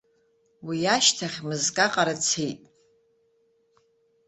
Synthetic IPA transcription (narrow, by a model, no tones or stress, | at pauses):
wijaʃtʰaχʲmɨzkʼaqʼaɾat͡sʰejtʼ